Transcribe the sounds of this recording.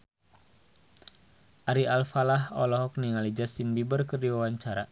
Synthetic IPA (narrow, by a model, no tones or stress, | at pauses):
ʔaɾialfalaɦɔlɔɦɔk̚niŋalid͡ʒast̪inbibərkərdiwawaɲt͡ʃaɾa̰